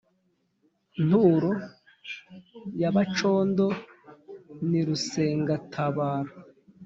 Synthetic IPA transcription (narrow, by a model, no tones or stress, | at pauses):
n̥uɾo | jaβat͡ʃo̞ːndo̞ | niɾuseːŋɡatʰaβaːɾo